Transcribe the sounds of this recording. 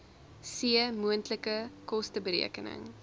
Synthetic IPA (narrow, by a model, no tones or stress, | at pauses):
siəmuəntləkəkɔstəbəɾḭəkənə̰ŋ